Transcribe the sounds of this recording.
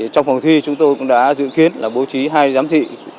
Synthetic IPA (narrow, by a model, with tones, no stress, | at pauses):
t͡ɕɔ˧ŋ͡mfə˨˩wt̪ʰi˧t͡ɕʊ˨˦ŋ͡mt̪o˧jkʊ̰˧˥ŋ͡mɗa̰ː˧˥zɨ̰˧˨ki˨˦ənlaː˨˩ɓo˨˦t͡ɕi˨˦ɦaː˧jzaː˨˦mt̪ʰḭ˧˨